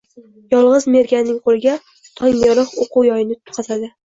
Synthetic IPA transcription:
jɒlˠʁɨzme̞ɾɡʲannːɪŋqʰolˠɪɡʲa | t̪ʰɒŋɒɾɨqoquwjɒjɪnɪt̪ʰʊ̥qʰɑt̪ʰad̪ɪ

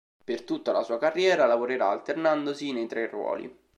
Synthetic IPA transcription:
pert̪ut̪ːalasuːakarːjɛːɾalavoɾeɾaːlt̪ernand̪osinejt̪ɾerwɔ̰ːlḭ

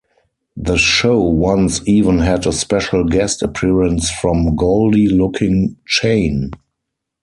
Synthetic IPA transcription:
ðəʃoʊwãnsiːvə̃nɦɛdəspɛʃlɡɛstəpʰiɹə̃nsfɹɔ̃mɡoʊldilʊkʰɪ̃ŋt͡ʃẽɪ̃n

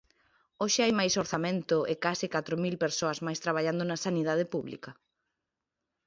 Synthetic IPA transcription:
oʃɪajmajsoɾθamẽnt̪ʊekasɪkat̪ɾomilpeɾsoɐzmajst̪ɾaβ̞aʎand̪onɐsaniðað̞ɪpuβlḭkɐ

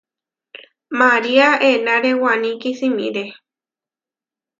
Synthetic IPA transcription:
maɾiaenãɾewanĩkisĩmḭ̃ɾe

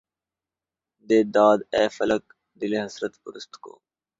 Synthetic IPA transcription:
d̪eːd̪aːd̪ɛːfɐlək̚ | d̪ɪleɦɐsɾət̪ʊ̰ɾʊst̪ko̰ː

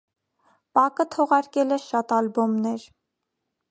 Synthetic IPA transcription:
pɑkət̪ʰɔʁɑɾkɛlɛʃɑt̪ɑlbɔmnɛɾ

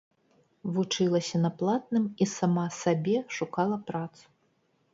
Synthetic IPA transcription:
vut͡ʂɨlˠɐsʲɐnɐplˠat̪̚nɨmisamasabʲɛʂukalˠɐpɾat̪su̥

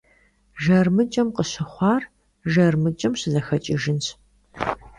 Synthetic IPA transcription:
ʒɐrmɨt͡ʃʼɐmqəɕɪχʷɑːr | ʒɐrmɨt͡ʃʼɐmɕɪzɐxɐt͡ʃʼiʒɨnɕ

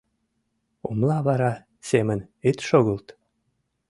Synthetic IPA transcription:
umlˠɑβɑɾɑ | semənit̪ʃoɣɤ̆lˠt̪

